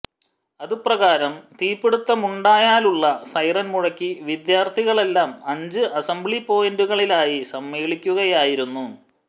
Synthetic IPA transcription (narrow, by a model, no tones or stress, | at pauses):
ɐðuprɐɣaːɾɐmt̪iːpːeɽut̪ːɐmuɳɖaːjaːluɭːɐsɐjrɐnmuɻɐkːiʋid̪jaːrt̪ʰiɣɐɭe̞lːaːmɐɲd͡ʑɨʔɐsɐmbɭipo̞ːjenduɣɐɭilaːjisɐmːeːɭikʲːuɣɐjaːjiɾunːu